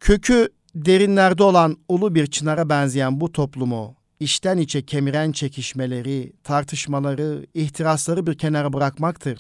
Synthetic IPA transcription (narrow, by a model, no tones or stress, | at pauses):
cʰø̞cʰy | d̪e̞ɾinlʲæɾd̪ɛo̞lˠanulˠubiɾt͡ʃʰɯnaɾabænzijænbut̪ʰo̞plˠumu | iʃt̪ʰænit͡ʃʰɛcʰe̞miɾænt͡ʃʰe̞cʰiʃme̞lʲe̞ɾit̪ʰaɾt̪ʰɯʃmalˠaɾɯiht̪ʰiɾaslˠaɾɯbiɾcʰe̞naɾabɯɾakmakt̪ʰɯɾ̥